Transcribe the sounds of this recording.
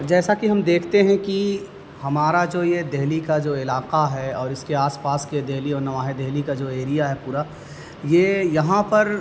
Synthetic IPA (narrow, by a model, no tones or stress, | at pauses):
d͡ʒɛːsakiɦɐmd̪eːkʰt̪eɦɛ̃ki | hɐmaːɾad͡ʒoːjed̪eɦlikad͡ʒoːɪlaːqaɦɛɔːɾɪskeaːspaːsked̪eɦliɔːɾnɐʋaːɦed̪ɛɦlikad͡ʒoːeːɾijaɦɛpuːɾa | jeːjɐɦãpɐɾ